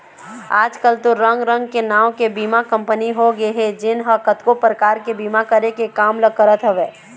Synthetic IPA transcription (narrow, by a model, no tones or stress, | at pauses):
aːd͡ʒkəlt̪oɾə̃ŋɡɾə̃ŋɡkenaːwkebiːmakə̃mpəniɦoɡeɦɛ̃d͡ʒɪnɦəkət̪kopɾəkaːɾkebiːmakəɾekekaːmləɡ̚kəɾət̪ɦɛʋeː